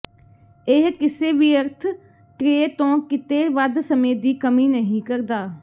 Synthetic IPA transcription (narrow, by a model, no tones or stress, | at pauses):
ɪɦkɪseːʋiːəɾt̪ʰ | ʈɾeet̪õːkɪt̪eːʋəd̪səmeːd̪iːkəmiːnəɦĩːkəɾd̪aː